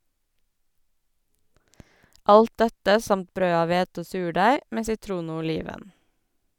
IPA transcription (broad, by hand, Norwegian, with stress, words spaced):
ˈʔɑlt ˈdɛtə ˈsɑmt ˈbɾøː ˈɑːʋ ˈʋeːtə ˈoː ˈsʉːˌɖæɪ ˈmeː sɪˈtɾuːn ˈoː ʊˈliːʋən